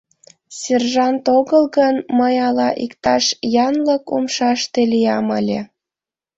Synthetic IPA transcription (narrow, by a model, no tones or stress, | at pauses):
sʲerʒɑnt̪oɣəlɣənməjɑlɑʔikt̪ɑʃjɑnləkumʃɑʃt̪elijɑməlʲe